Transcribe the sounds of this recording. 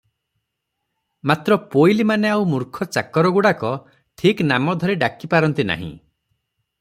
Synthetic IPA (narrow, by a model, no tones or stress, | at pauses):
mat̪ɾɔpojlimaneawmuɾkʰɔt͡ʃakɔɾɔɡuɽakɔ | ʈʰiknamɔd̪ʱɔɾeɖakipaɾɔnt̪ina̰ɦḭ̃